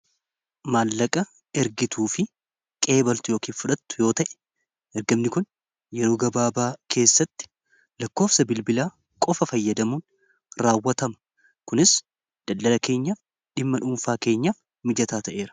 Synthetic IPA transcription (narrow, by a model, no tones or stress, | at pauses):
maːlːɐkʼɐ | ɛɾɡɪt̪uːfɪ | kʼe̞ːbɐlt̪ʊjo̞ːkiːnfʊᶑɐt̪ːʊ̥jo̞ːt̪ɐʔɛ̥ | ʔɛɾɡɐmnɪkʊn | jɛɾo̞ːɡɐbaːbaːkʰe̞ːsːɐt̪ːɪ̥ | lɐkːo̞ːfsɐbɪlbɪlaː | kʼɔfɐfɐjːɐd̪ɐmuːn | ɾaːwːɐt̪ɐmɐ̥ | kʊnɪs | d̪̥ɐld̪ːɐlɐke̞ːɲːɐ | ᶑɪmːɐᶑuːnfaːke̞ːɲːa | mɪd͡ʒɐt̪aːt̪ɐʔe̞ːɾɐ̥